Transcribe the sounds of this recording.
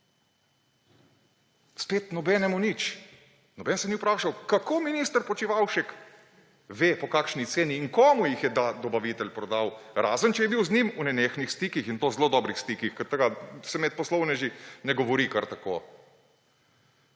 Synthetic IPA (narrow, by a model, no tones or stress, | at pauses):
speːt̪nɔbɛnɛmunit͡ʃ | nɔbɛnsɛniupɾaːʃawkakoːminiːst̪əɾpɔt͡ʃiʋawʃɛk | ʋeːpɔkaːkʃnit̪seːniːŋkoːmujixjɛd̪ad̪ɔbaʋit̪ɛlpɾɔd̪aːwɾaːzənt͡ʃɛjɛbiwznimunɛneːxnixst̪iːkixint̪oːzloːd̪ɔbɾixst̪iːkixkɛɾt̪əɡasɛmɛt̪̚pɔslɔwnɛʒinɛɡɔʋɔɾikaɾt̪ako̰ː